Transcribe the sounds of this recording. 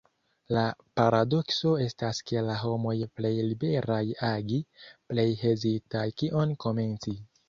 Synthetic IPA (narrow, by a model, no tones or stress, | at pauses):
lapaɾado̞kso̞e̞staskelaɦo̞mo̞jple̞jlibe̞ɾajaɡiple̞jhe̞zitajkiʔo̞nko̞me̞nt͡si